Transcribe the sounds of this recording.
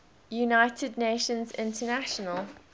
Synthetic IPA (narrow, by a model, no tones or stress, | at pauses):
junaɪtʰɪdⁿneɪʃə̃nzɪ̰̃ntʰənaʃənəlˠ